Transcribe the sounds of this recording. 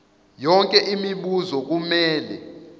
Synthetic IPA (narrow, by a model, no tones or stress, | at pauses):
jɔŋkʼɛʔimiɓuzɔk̬umɛːlɛ̰